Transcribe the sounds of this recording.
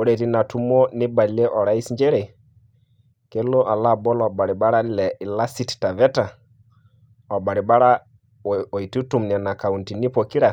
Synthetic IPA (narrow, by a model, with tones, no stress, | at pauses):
u˦ɾe˨ti˦na˨tu˦mɔ˦ni˦ba˨lɛ˦ʔɔ˨ɾa˦i˦sɲd͡ʒɛ˦ɾe˨ | ke˦lːo˦ʔa˨lːa˦bɔ˦lɔ˨ba˨ɾi˨ɓa˦ɾa˦lɛ˨ʔi˨la˦si˦tta˨vɛ˦ta˨ | ɔ˨ba˨ɾi˨ɓa˦ɾa˦ | o˨jtu˦tu˨mnɛ˨na˨ka˨wu˨nti˨ni˦po˨ki˦ɾa˨